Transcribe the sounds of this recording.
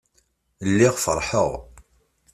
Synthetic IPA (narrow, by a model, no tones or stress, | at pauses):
lːiʁfə̰ɾˤħəʁ